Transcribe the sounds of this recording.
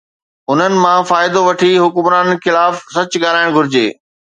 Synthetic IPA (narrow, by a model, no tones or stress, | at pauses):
ʊn̤ənɪ̆mãfaːɪd̪oʋɐʈʰiɦʊkʊmɾaːnxɪlaːfsɐt͡ɕɠaːɾaːɪɽ̃ɡʱʊɾɪd͡ʑḛː